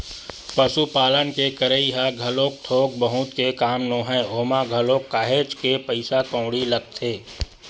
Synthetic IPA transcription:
pəʃupaːlənkekəɾəiɦaɡʱɐloːk̚ʈ̪ʰoːk̚bəɦʊ̃t̪kekaːmnoːɦɛ̃oːmaɡʱəloːkːaːɦeːt͡ʃkepəɪsakɔ̃ʊɽilɐɡ̚t̪ʰeː

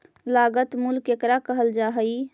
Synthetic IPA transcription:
laːɡət̪mulkekɾakəɦəld͡ʒaːɦəi

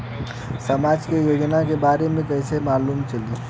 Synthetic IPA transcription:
səmaːd͡ʒkejoːd͡ʒnakebaːɾemẽkɛɪsemaːluːmt͡ʃəli

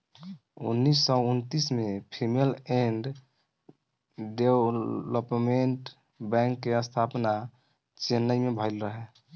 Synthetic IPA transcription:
ṵnːisːɔunt̪ismepʰimeleɳɖ | ɖewləpmeɳʈ | bɛ̃ŋkːeəst̪ʰapna | t͡ʃenːəjmebʱəlɾəɦe

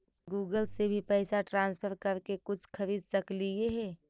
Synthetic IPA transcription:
ɡuːɡəlsebʱipɛːɪsaʈɾãːnspʰəɾkəɾkekʊt͡ʃʰkʰəɾiːd̪̚səklieɦɛː

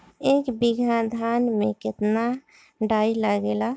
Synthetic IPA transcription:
eːkbiɡad̪ʱanmẽkɪt̪na | ɖailaɡela

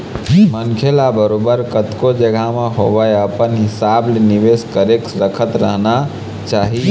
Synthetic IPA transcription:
mənkʰelabəɾobəɾkət̪kod͡ʒəɡʱameɦobəjəpənɦɪsableniʋeskəɾeksɾəkʰət̪ɾəɦna | t͡ʃaɦi

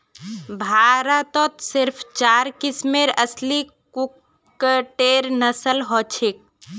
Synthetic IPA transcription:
bʱaːɾət̪ɔt̪sɪɾpʰt͡ʃaːɾkɪsmeɾəsli | kukː | əʈeɾnəsəlɦɔt͡ʃʰik̚

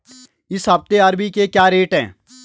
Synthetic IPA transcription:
ɪsɦaːb̚t̪eaːɾbikekjaːɾeːʈɦɛ̰̃ː

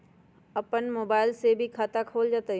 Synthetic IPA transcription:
ɐpənmoːbaːɪlsebʱikʰaːt̪akʰoːld͡ʒaːt̪aɦ

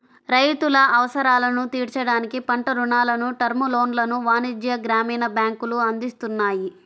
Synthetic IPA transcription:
ɾɐjt̪ulɐʔɐʋɐsɐɾaːlɐnut̪iːɽt͡ʃɐɽaːnikipɐɳʈɐɾuɳaːlɐnuʈɐɾmulo̞ːnlɐnuʋaːnid͡ʒjɐɡɾaːmiːnɐbjaːŋkuluɐnd̪ist̪unːaːji

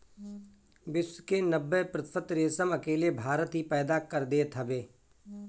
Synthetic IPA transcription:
bɪswkenəbːepɾət̪ɪ̥fʰət̪ɾeːsəmɐkeːlebʱaːɾət̪ɦipɛːd̪akɐɾd̪et̪ʰɐbeː

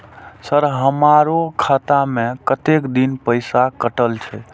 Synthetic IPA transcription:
səɾɦəmaɾokʰat̪amẽkət̪ekd̪inpəjsakəʈəlt͡ʃʰɛ

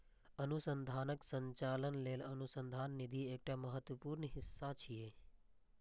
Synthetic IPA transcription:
ənusənd̪ʱaːnəksə̃ɲt͡ʃaːlənleːlənusə̃nd̪ʱaːnːɪd̪ʱieːk̚ʈaməɦət̪ʋəpuːɾnɦɪsːat͡ʃʰijeː

